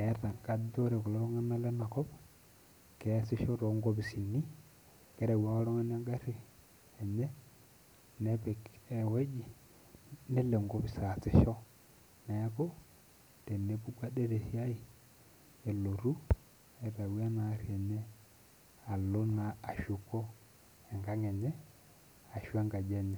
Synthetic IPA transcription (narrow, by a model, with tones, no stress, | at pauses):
ɛ˦ɾa˨ŋka˦do˦ɾɛ˨kɔ˨lo˦ɾɔ˦ŋa˦na˦le˦na˨kɔ˦b | kɛ˨˦si˦ʃɔ˦ɾo˨˦ŋɡo˦bi˨si˨ni˦ | kɛ˦ɾa˨wa˦wo˦ɾɔ˦ŋa˦na˦ɡa˦ɾi˨ | ɛ˨ɲɛ˦ | ne˦pɛ˨kɛ˨we˦d͡ʒi˨ | nɛ˦le˨ŋɡo˦bi˨sa˨se˨ʃɔ˦ | na˨a˦kɔ˦ | d̥ɛ˨nɛ˦bu˦ɡa˦dɛ˦ɾɛ˨si˦a˦i˦˨ | ɛ˨lo˨ɾu˦ | ɛ˨ɾa˨wa˦na˨˦ɾi˨ɛ˨ɲɛ˦ | a˨lo˦na˨a˨ʃu˨kɔ˦ | ɛ˨ŋɡa˦ŋɛ˨ɲɛ˦ | a˨ʃu˦a˦ŋɡa˨d͡ʒɛ˨ɲɛ˨